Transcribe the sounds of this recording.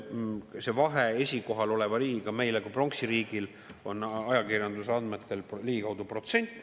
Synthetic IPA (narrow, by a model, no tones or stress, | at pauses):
se̞vɑɦe̞esʲiko̞ɦɑlo̞le̞vɑɾiːɡikɑme̞jlekupro̞ŋksiɾiːɡil | o̞nɑjɑkirjɑnd̪usɑnd̪met̪ːˑe̞lpliːɡikɑwd̪upro̞t̪se̞nʲt̪ʲːˑ